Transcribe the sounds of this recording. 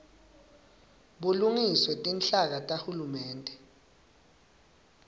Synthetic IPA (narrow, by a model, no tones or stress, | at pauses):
ɓuluŋiswɛtʼinɬak̬atʼahulumɛːntʼɛ